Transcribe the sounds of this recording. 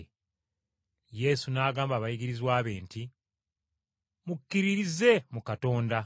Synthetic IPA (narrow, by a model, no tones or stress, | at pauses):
je̞ːsunaːɡaːmbaːβajiɡiɾizwaːβe̞ːnti | mukːiɾiɾize̞mukato̞ːnda